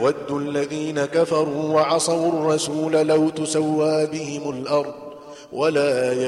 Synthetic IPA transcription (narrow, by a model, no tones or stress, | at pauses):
wad̪ːʊʔalːaðiːnakafɑɾˤuːwɑʕɑsˤɑwrˤːɑsuːlalawt̪ʊsawːaːbɪhɪmʊlʔɑɾˤd̪ˤ | walaː